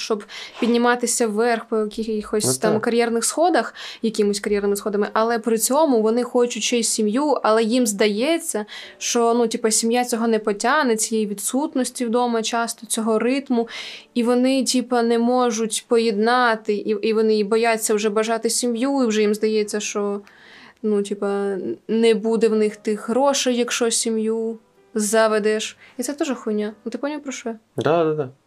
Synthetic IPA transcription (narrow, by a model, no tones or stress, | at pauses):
ʃt͡ʃɔbpʲid̪ʲnʲɪmɑt̪ɪsʲɐwːɛrxpɔjɛkʲixɔsʲt̪ɑmkɐɾʲjɛrnɪxsxɔd̪ɐxjɐkʲɪmʊsʲkɐɾʲjɛrnɪmɪsxɔd̪ɐmɪʔɐlˠɛpɾɪt͡sʲɔmʊʋɔnɪxɔt͡ʃʊtʲt͡ʃɛsʲtʲsʲimjuɐlˠɛjimzd̪ɐjɛt͡sʲːɐʃt͡ʃɔnutʲipɐsʲimjat͡sʲɔɦɔnɛpɔtʲanɛt͡sʲijejiʋʲid̪sut̪nɔsʲtʲiwd̪ɔmɐt͡ʃɑst̪ɔt͡sʲɔɦɔrɪt̪mʊiʋɔnɪtʲipɐnɛmɔʒʊtʲpɔjɛd̪nɑt̪ɪʔiiʋɔnɪjibɔjat͡sʲːɐwʒɛbɐʒɑt̪ɪsʲimjuiwʒɛjimzd̪ɐjɛt͡sʲːɐʃt͡ʃɔ | nutʲipɐnɛbud̪ɛwnɪxt̪ɪxɦɾɔʃɛjɐkʃt͡ʃɔsʲimju | zɐʋɛd̪ɛʃit̪sɛt̪uʒɛxʊnʲanut̪ɪpɔnʲipɾɔʃujɛ | d̪ad̪ad̪a